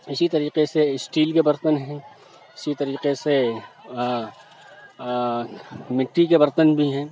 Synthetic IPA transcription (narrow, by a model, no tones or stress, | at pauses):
ɪsit̪ɐɾiːqeseɪsʈiːlkebɐɾt̪ənɦɛ̃ | ɪsit̪ɐɾiːqese | mɪʈːikebɐɾt̪ənbʱiɦɛ̃ː